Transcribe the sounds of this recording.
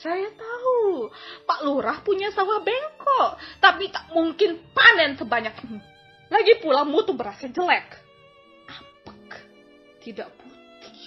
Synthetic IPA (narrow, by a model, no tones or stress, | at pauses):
sajat̪aupaʔluɾahpuɲasawahbɛŋkɔʔt̪apit̪aʔmuŋkɪnpanɛnsəbaɲak̚ | laɡipulamut̪ubəɾasad͡ʒəlɛk | ʔapḁkḁ | t̪idaʔput̪t̪i̥